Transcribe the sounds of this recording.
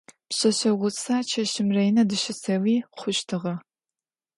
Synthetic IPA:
pɕɐɕɐʁʷʊt͡sʰaːt͡ʃʰɐɕɪmrɐjnɐdɨɕɪsɐwiːχʷʊʃtʰɨʁɐ

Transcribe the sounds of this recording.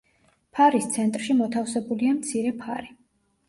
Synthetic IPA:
pʰaɾist̪sʰɛnt̪ʼɾʃimɔt̪ʰafsɛbuliamt̪sʰiɾɛpʰaɾi

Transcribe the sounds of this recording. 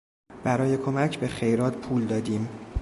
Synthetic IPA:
b̥æɾɒːje̞kʰomæcʰbe̞xe̞jɾɒːd̪̥pʰuːld̪ɒːd̪iːm

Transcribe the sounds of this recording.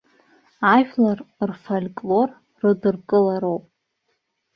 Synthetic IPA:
aʃᶣlarrfolʲkʼlo̞rː | ɨdɨrkʼɨlaɾowpʼ

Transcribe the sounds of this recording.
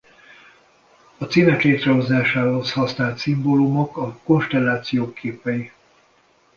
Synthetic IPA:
ɒt̪siːnɛkleːt̪rɛɦo̞zaːʃaːɦo̞shɒsnaːlt̪simboːlumo̞kɒko̞nʃt̪ɛlːaːt̪sijoːkʰeːpɛji

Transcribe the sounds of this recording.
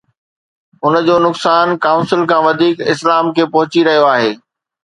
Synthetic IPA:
ʊnd͡ʑoːnʊksaːnkaːʊ̃nsɪlkʰãːʋɐd̪ʱiːkɪslaːmkʰeːpɐɦʊt͡ɕiɾɐɦijoaːɦeː

